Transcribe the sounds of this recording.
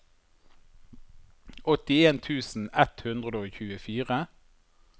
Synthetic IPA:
ɔt̪ɪeːnt̪ʰʉːsn̩ɛt̪hʉnd̪ʁəd̪oːçʉːəfiːʁə

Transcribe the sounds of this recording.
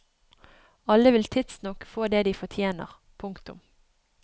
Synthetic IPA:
ɑlːəʋɪlt̪ʰɪt̪snɔkːəfoːd̪eːd̪iːfɔt̪ʰjeːnə̰ʁ | pʰʊŋkt̪ʊ̰m

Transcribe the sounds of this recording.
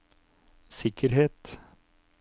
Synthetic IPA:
sɪkʰəɾheːt̪

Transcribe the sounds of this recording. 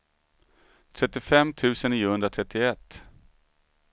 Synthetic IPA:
t̪ʰɾɛt̪ːɪfɛmːt̪ʰʉ̟ːsəniːəhɵnd̪ɾat̪ʰɾɛt̪ːɪɛt̪ː

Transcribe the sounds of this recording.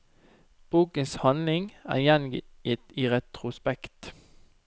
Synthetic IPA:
b̥uːkənshɑnlɪŋæ̰ːjɛnɪt̪iːʁɛt̪ʁʊspɛkt̪

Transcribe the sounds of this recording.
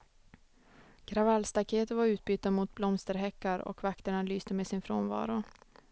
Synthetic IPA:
ɡ̥ɾavalːst̪akʰeːt̪əvaɾʉ̟ːt̪̚byːt̪ːamuːt̪̚blɔmst̪əɾɦɛkːaɾɔ̰kvakt̪əɳalyːst̪əmeːsɪnfɾo̰ːnvɑ̰ːɾʊ

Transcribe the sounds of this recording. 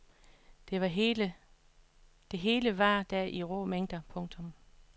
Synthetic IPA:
d̥eʋɑɦelə | d̥e̝ɦe̝ːləʋɑ̈d̥æɐʔiʁo̰meŋ̰d̥ɐpʰɔ̽ŋt͡sʰɔ̽m

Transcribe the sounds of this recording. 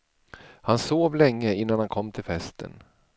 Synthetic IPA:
hansoːvlɛŋːəɪnːanhankʰɔmːt̪ʰɪlfɛst̪ʰə̰n

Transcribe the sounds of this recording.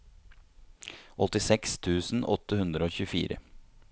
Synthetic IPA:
ʔɔt̪ɪsɛkst̪ʰʉːsn̩ɔ̰t̪ːəhʉnd̪ɾəoːçʉːfḭːɾə̰

